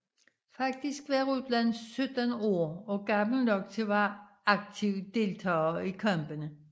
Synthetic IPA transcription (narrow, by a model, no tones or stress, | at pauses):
fɑ̈ɡ̥̚d̥isɡ̥ʋɑʁuslænsːød̥ɐnoːɒ̽ɡ̥ɑ̈ml̩nɒ̽ɡ̥̚t͡sʰe̝ʋɑ | ɑ̈ɡ̥̚t͡sʰiʊd̥e̝lt͡sʰɑ̰ːikʰɑmb̥ənə